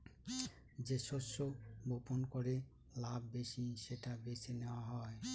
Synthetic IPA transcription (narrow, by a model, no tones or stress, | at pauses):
d͡ʑeʃoʃːoboponkoɾe | labbeʃiʃeʈabeseneoaɦɔe